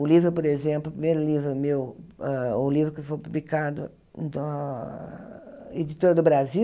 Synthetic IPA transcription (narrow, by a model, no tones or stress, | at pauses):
ʊlivɾʊpoɾezẽmplʊpɾimejɾʊlivɾʊmewɛʊlivɾʊkɪfojpublikad̪ʊ̰ | d̪ɐ | ed͡ʒ̪it̪oɾɐd̪ʊbɾazi